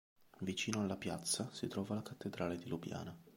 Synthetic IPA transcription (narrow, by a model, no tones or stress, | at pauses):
vit͡ʃiːnoalːapja̰t̪sːasit̪ɾɔːvalakat̪ːed̪ɾaːled̪ilubja̰ːna